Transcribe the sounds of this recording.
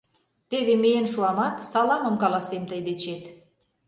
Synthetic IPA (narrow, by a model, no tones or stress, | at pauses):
t̪eβemejenʃuɑmɑt̪sɑlɑməmkɑlɑsemt̪əjd̪et͡ɕet̪